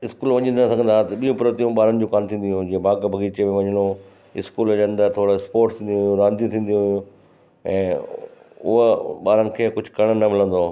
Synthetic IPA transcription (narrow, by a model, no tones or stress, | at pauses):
ɪskuːlʋɐɲə̃nd̪sɐ̃ŋɡə̃nd̪aːt̪ɓijũpɾət̪ijũɓaːɾənɪ̆d͡ʑoːkaːnt̪ʰĩːn̆d̪iũɦũd͡ʑiːẽbaːkbʱɐɡiːt͡ɕemẽʋɐɲəlo | ɪ̰skuːlɐɲə̃nd̪at̪ʰoːɽɪspoːɾʈt̪ʰĩːnjũɦjũɾãːnd̪ʱijũt̪ʰĩːnd̪ijũɦʊjũ | ɛ̃ː | ʊ̰ɦɓaːɾənɪ̆kʰeːkʊd͡ʑʱʊkɐɽ̃nɐmɪlə̃nd̪o